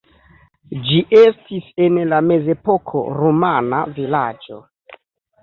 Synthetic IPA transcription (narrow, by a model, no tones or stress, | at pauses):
d͡ʒiʔestise̞nlame̞ze̞po̞kʰo̞̰ɾomana̰vilad͡ʒo̰